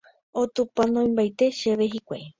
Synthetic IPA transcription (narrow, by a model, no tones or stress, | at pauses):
ot̪upãnõj̃mbajt̪e̞ʃe̞βeɦikʷej